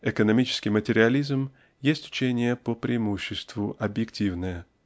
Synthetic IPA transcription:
ɪkənɐmʲit͡ɕɪ̥skʲɪjmətʲɪɾʲɪɐlʲizm | jesʲtʲʊ̥t͡ɕenʲɪjəpəpɾʲʔɪɪmuɕːɪst̪vʊʔɐbjɪktʲivnəjə

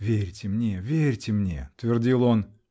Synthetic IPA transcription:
vʲeɾʲtʲɪmnʲevʲeɾʲtʲɪmnʲḛt̪vʲɪrdʲilˠon

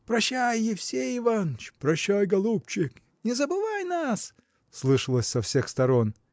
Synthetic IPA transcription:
pɾɐɕːæjːɪfsʲejɪvant͡ɕpɾɐɕːajɡɐlˠupt͡ɕɪk | nʲɪzəbɨvajnas | slˠɨʂɨlˠəsʲsɐfsʲe̞xst̪ɐɾo̞n

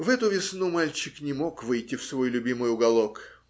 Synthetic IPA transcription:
vɛt̪ʊvʲɪsnumalʲt͡ɕɪknʲɪmo̞kvɨjtʲːɪfsvo̞jlʲʊbʲimɨjʊɡɐlˠo̞k

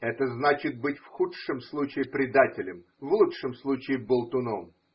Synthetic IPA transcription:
ɛt̪əznat͡ɕɪt̪̚bɨtʲfxutʂəmslˠut͡ɕɪɪpɾʲɪd̪atʲɪlʲɪm | vlˠutʂɨmslˠut͡ɕɪɪbəlˠt̪ʊnom

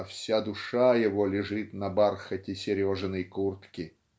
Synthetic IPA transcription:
fsʲad̪ʊʂajɪvolʲɪʐɨt̪nɐbarxətʲɪsʲɪɾʲoʐɨnəjkurt̪kʲɪ

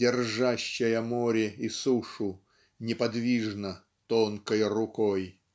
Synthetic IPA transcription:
ɪrʐaɕːɪjəmoɾʲɪisuʂʊ | nʲɪpɐd̪vʲiʐnə | t̪onkəjrʊkoj

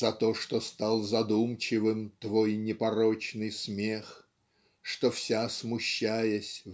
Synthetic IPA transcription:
zɐt̪o̞ʂt̪ost̪alˠzɐd̪umt͡ɕɪvɨmt̪vo̞jnʲɪpɐɾot͡ɕnɨjsmʲe̞x | ʂt̪ofsʲasmʊɕːajəsʲ

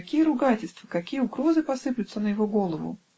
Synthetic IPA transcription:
kʲijəɾʊɡatʲɪlʲst̪vəkɐkʲijəʊɡɾo̞zɨpɐsɨplʲʊt̪sənəjɪvoɡo̞lˠəvʊ̰

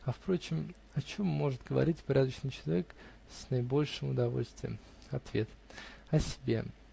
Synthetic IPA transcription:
ɐfpɾo̞t͡ɕɪm | ɐt͡ɕo̞mːo̞ʐɨt̪̚ɡəvɐ̰ɾʲitʲpɾʲæd̪əɕnɨjt͡ɕɪlˠɐvʲek | sʲnɐɪbo̞lʲʂɨmʊd̪ɐvo̞̰lʲst̪vʲɪə̰m | ɐt̪vʲe̞t̪ɐsʲɪ̥bʲe̞̰

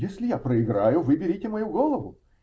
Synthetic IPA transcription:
jesʲlʲɪjapɾəɪɡɾajʊvɨbʲɪɾʲitʲɪmɐjuɡolˠəvʊ

